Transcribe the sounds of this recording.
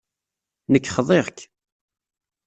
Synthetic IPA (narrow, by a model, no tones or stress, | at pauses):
nəkːχəðˤeʁk